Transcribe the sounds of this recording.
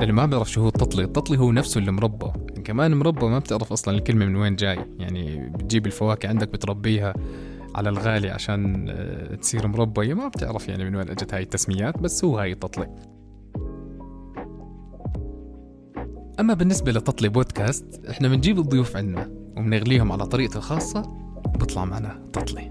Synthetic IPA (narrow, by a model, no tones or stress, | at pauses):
ʔɪlːimabɪʕɾɑfʃhuːt̪ˤːɑt̪ˤlit̪ˤːɑt̪ˤliɦuːnafsʊɪlːimɾˤɑbːa̰ʔankamaːnmɾˤɑbːawmabt̪ɪʕɾɑfʔɑsˤlɑnɪlkɪlmamɪnweːnd͡ʒaːjja̰ʕnḭbɪt̪̚d͡ʒiːbɪlfawaːkɪʕɪnd̪ak̚bɪt̪ɾˤɑbːiːɦa | ʕa̰lalɣaːliʕa̰ʃaːn | t̪siːɾmʊɾˤɑbːahjːamab̚t̪ɪ̰ʕɾafja̰ʕnimɪnweːnʔad͡ʒat̪haːjɪt̪ːasmɪjaːt̪basːhuːhaːjt̪ˤːɑt̪ˤli | ʔamːabɪnːɪsbalɪt̪ːˤɑt̪ˤliboːd̪kaːst̪ʔɪħnamɪnd͡ʒiːbɨd̪ˤːʊjuːfʕɪnd̪ːawɪmɪnɪɣliːhʊmʕalat̪ˤɑɾiːʔ̪xɑːsˤːɑ | bɨt̪ˤlɑ̰ʕmaʕnat̪ˤːɑt̪ˤli